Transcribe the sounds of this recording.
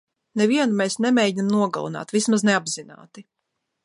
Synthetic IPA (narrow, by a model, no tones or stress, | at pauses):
nɛviɛnumɛːsnɛmɛːɟinamnuɔɡa̰lˠṵna̰ːt̪vismaznɛabzina̰ːt̪i